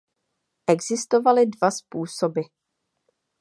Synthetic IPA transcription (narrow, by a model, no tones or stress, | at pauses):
ʔɛɡzɪst̪o̞valɪdvaspuːsobɪ